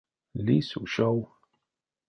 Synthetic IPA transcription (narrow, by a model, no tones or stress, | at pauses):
lisṵʃɔw